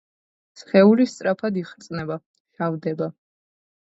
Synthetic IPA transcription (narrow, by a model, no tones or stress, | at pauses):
sχɛulist̪sʼɾapʰad̪iχɾt̪sʼnɛba | ʃavd̪ɛba